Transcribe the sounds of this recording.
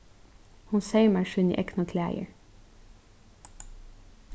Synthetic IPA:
hʊnseɪmæʃʉnḭːʔɛknɑkʰlæ̰ːjə̰ɹ

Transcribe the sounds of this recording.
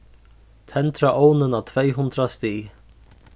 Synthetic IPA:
t̪ʰɛnt̪ɾaʔoːwnɪnat̪ʰveːjɦʊnt̪ɾast̪iː

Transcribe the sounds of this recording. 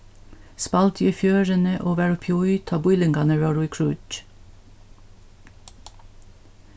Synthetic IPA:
spɑlt̪ʰjifjøːɹənəʔoːʋæːɹʊpʰjɔʏt̪ʰɑːbʊʏlɪŋɡɑnəɹɑːɹuikʰɹʉːt͡ʃ

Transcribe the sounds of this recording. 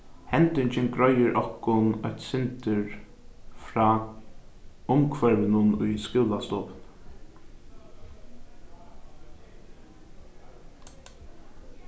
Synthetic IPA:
hɛnt̪ʏɲt͡ʃɪnɡɾɔjɪɾʔɔhkʊnɔjt̪sɪnt̪əɹ | fɾɑː | ʊmkʰvɛɹʋɪnʊnʊjskɪwlast̪ɔːpn

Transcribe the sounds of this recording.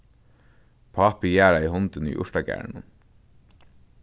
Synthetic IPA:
pʰɑːpijæːɹɑiːhɔnd̪ənḭːʔʊʃdɑːɡæ̰ːɳən

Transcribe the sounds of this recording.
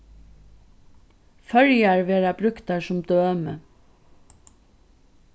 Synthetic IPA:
fœɹjæɹʋeːɾɑbɾʉkt̪ɑʃʊmd̪øːœmə

